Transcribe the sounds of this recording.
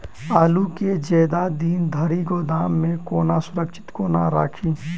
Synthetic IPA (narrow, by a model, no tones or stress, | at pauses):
aːluked͡ʒeːd̪ad̪iːnd̪ʱɐɾiɡoːd̪aːmːẽkoːnasʊɾəkʃɪ̥t̪koːna̰ɾa̰ːkʰiː